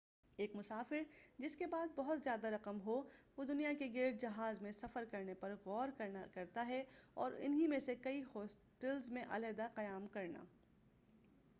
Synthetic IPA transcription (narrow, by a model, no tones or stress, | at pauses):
eːkmʊsaːfɪɾd͡ʒɪskebaːd̪̚bɐɦʊt̪zjaːd̪aɾɐqəmɦoʋoːd̪ʊnijakeɡeːʈ̚d͡ʒɐɦaːzmẽsɐfəɾkɐɾnepɐɾɣɔːɾkɾakɐɾt̪aɦɛɔːɾɪ̰nɦimẽsekɐihɔːs | ʈɛlzmẽʔɐ̰lɛd̪aqɐjaːmkɐɾna̰ː